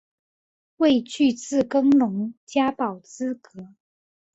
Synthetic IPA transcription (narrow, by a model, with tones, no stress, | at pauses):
we˥˧ɪt͡ɕʰy˥˧t͡sɹ̩˥˩kɤ˥ŋlʊ˧˥ŋt͡ɕja˥pɑ˨˩ʊt͡sɹ̩˥kɤ˧˥˦